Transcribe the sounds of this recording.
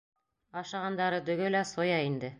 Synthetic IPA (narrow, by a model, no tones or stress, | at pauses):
ɑʃɑʁɑnd̪ɑɾɤd̪ɵ̆ɡɵ̆læsojɑind̪ɘ